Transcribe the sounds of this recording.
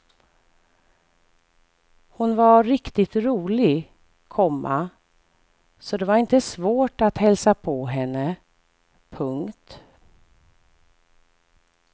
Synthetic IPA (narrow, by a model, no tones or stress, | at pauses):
hʊnvaɾɪkt̪ɪt̪ɾuːlɪ | kʰɔmːa̰ | sɔd̪ɛvaɾɪnt̪əsvoːʈat̪hɛlsapʰɔɦɛnːə | pʰɵŋkt̪